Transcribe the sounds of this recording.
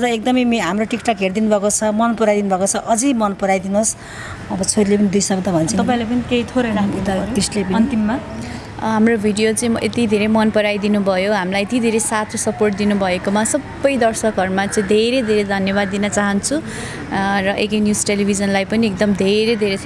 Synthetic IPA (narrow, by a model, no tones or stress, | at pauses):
ʌd͡zʌek̚d̪ʌmʌjmɦamroʈikʈʌkɦerd̪inubʱʌkot͡sʰʌmʌnpʌɾajd̪inubʱʌkot͡sʰʌʔʌd͡zimʌnpʌɾajd̪inos | ʌbʌt͡sʰoɾilepʌnid̪ujsʌb̚d̪abʱʌnt͡sʰʌt̪ʌpãĩlap̬ʌnikeit̪ʰoɾeɾamud̪aʌɾoisʈlepʌʌint̪imːa | ɦamrobʱiɖijot͡saĩʌʔḛt̪id̪ʱeɾemʌnpʌɾajd̪inubʱʌjoɦamilajet̪id̪ʱeɾesat̪ʰosʌporʈ̚d̪inubʱʌekomasʌbːʌjd̪ʌrsʌkɦʌrmat͡saĩd̪ʱeɾed̪ʱeɾed̪ʱʌnjʌbad̪ːinʌt͡saɦʌnt͡sʰu | rʌʔekʌnjusʈelibʱid͡zʌnlajpʌniek̚d̪ʌmd̪ʱeɾed̪ʱeɾe